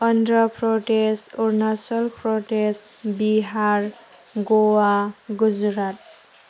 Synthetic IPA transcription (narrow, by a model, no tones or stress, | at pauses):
ʌndrʌpʰɾoʈesurnasʌlpʰɾoʈesʈ | biɦaɾ | ɡowaɡud͡zɾat̪̚